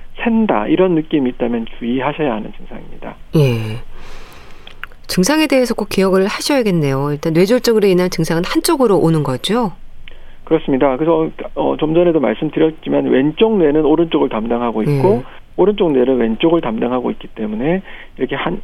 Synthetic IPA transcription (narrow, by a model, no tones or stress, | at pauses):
sʰe̞nda̰iɾʌnːɯk͈imiːt͈amjʌnt͡ɕuiɦaɕʰʌjaɦanɯnt͡ɕɯŋsʰa̰ŋimɲida̰je̞ | t͡ɕɯŋsʰaŋe̞de̞ɦesʰʌk͈ok͈ijʌɡɯɭhaɕʰʌjaɡe̞nːe̞joiɭt͈anwe̞d͡ʑoɭt͡ɕ͈ʌɡɯɾeinant͡ɕɯŋsʰaŋɯnhant͡ɕ͈oɡɯɾoʔonɯnɡʌd͡ʑo | kɯɾʌs͈ɯmɲidakɯsʰʌʌ̰t͡ɕʌmd͡ʑʌne̞doma̰ɭs͈ɯmdɯɾjʌt̚t͡ɕ͈imanwe̞nt͡ɕ͈oŋnenɯnoɾɯnt͡ɕ͈oɡɯɭtamdaŋɦaɡoik͈o | oɾɯnt͡ɕ͈oŋne̞nɯnwe̞nt͡ɕ͈oɡɯɭtamdaŋɦaɡoik͈it͈e̞mune̞ | iɾʌkʰehan